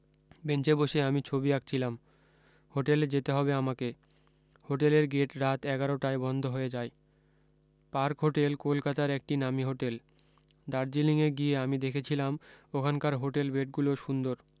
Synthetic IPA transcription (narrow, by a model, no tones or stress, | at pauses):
bent͡ɕeboʃeamit͡ɕʰobiak̚t͡ɕʰilam | hoʈeld͡ʑet̪eɦɔbeamake | hoʈeleɾɡeʈɾat̪ɛɡaɾoʈaebɔnd̪ʱoɦoed͡ʑae | paɾkɦoʈelkolkat̪aɾɛk̚ʈinamiɦoʈel | d̪aɾd͡ʑiliŋeɡieamid̪ekʰet͡ɕʰilamokʰankaɾɦoʈelbeʈ̚ɡuloʃund̪oɾ